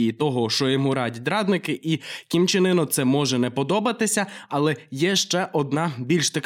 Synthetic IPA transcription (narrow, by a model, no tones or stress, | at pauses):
it̪ɔɦɔʃt͡ʃɔjɔmuɾɑdʲid̪ɾɑd̪nɪkɪʔikʲimt͡ʃɪnɪnɔt̪sɛmɔʒɛnɛpɔd̪ɔbɐt̪ɪsʲɐɐlˠɛjɛʃt͡ʃɛʔɔd̪nɑbʲilʲʃt̪ɐk